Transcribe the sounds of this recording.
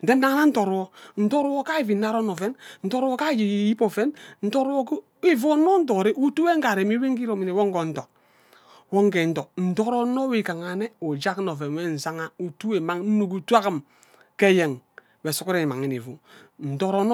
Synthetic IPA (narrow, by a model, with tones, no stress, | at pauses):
n̩˨de˦n̩˦da˦ŋ˦na˦n̩˦to˨ɾwo˦n̩˦do˦ɾwo˦ka˦i˨vi˨na˦ɾo˦no˨ve˦nn̩˦to˦ɾwo˦ka˦˨ji˨ji˦po˨ve˦nn̩˦to˦ɾwo˦k | i˦vo˦no˦n̩˦do˨ɾe˦ʔu˦tu˦we˦ŋ̩˦ɡa˨ɾe˨mi˦we˦ŋ˦ki˦ɾo˨mi˨ne˨wo˦ŋ˦ɡo˨n̩˦to˨ | wo˦ŋ˦ke˨n̩˦to˨n̩˨do˦ɾo˦no˦wi˨ka˨ŋa˨ne˦o˨d͡ʒa˦kno˨ve˨n˨we˦n̩˨sa˦ŋa˦u˨tu˦e˨ma˨ŋn̩˦nu˦ku˦tu˦a˦ki˨m | ke˦je˨ŋ | be˨su˦kɾe˨ma̰˨ŋi˨nḭ˨vu˦ | n̩˨do˦ɾo˦n˦